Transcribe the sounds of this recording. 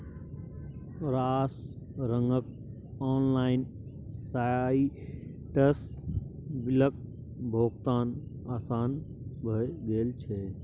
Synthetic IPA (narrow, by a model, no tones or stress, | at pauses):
ɾaːs | ɾəŋɡək̚ | ɔːnlaɪn | sai | ʈəs | bilək̚ | bʱokt̪aːnaːsaːnbʱəjd̪eːlt͡ʃʰɛ